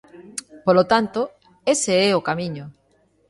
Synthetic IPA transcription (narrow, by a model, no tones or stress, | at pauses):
polot̪ant̪o | eseeokamĩɲo